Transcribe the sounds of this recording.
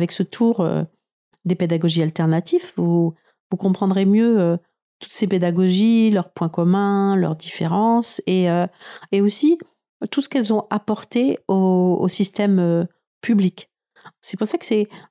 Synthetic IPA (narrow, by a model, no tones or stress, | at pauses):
vɛksət̪ʰuʁø̰ | d̪eped̪aɡɔʒialt̪ɛʁnat̪ivvu | vukɔ̃pχɑ̃d̪ʁemjøø | t̪u̥t̪seped̪aɡɔʒilœʁpwɛ̃kɔmɛ̃lœ̰ʁd̪ifeʁɑ̃seøeosi | t̪usə̥kɛlzɔ̃ʔapɔʁt̪eo̰ːsist̪ɛmø | pyblik | sɛpuʁsakə̥sɛ